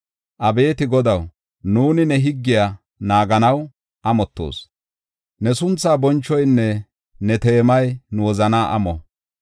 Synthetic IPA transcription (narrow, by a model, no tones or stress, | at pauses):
ʔɐbe̞ːt̪ɪɡɔd̪ɐw | nuːnɪnɛɦɪɡːɪja | naːɡɐnɐw | ʔɐmɔt̪ːo̰ːs | nɛsʊnt͡sːaːbɔnt͡ʃːɔjnːɛ | nɛt̪e̞ːmɐjnʊwɔzɐnaːʔɐ̰mɔ̰